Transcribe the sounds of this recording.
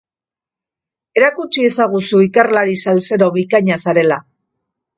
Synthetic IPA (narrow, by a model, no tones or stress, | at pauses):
e̞ɾakut͡ʃie̞saɣ̞usuikarlaɾisalse̞ɾo̞βikaɲasaɾe̞la